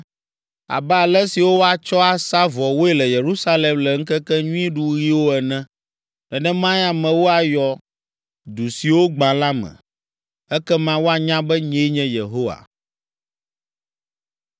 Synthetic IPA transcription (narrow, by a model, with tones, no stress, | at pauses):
a̰˨bɛ˦a˨lɛ˦si˨wo˦wo˦a˨t͡ʃɔ˦a˨sa˦vɔ˨wo˦e˨lɛ˨je˨ɾu˦sa˦lɛ˨mlɛ˨ŋ̩˦kɛ˦kɛ˦ɲũ˦ĩ˦ɖu˦ɣi˦wo˦ɛ˨nɛ̃˦ | ɖɛ˨nɛ̃˦mã˦ja˨mɛ̃˨wo˦a˨jɔ˨ | d̪u˨si˨wo˦ɡ͡bã˨la˦mɛ̰̃˨ | ɛ˦kɛ˦mã˦wo˦a˨ɲã˦bɛ˦ɲɛ̃˦ɲɛ̃˦je˨ɦo˦wa̰˨